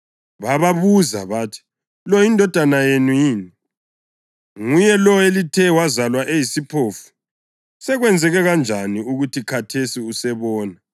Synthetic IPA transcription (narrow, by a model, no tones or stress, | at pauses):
βaβaβuza̰βatʰi̥ | lɔjindʱɔd̥ʱanajenujiːni | ŋujɛlɔelitʰɛwazalwaʔejisipʰoːfu̥ | sɛɣwɛnd͡zʱɛɣɛɣand͡ʒʱaniuɣutʰikʰatʰesiusɛβɔːna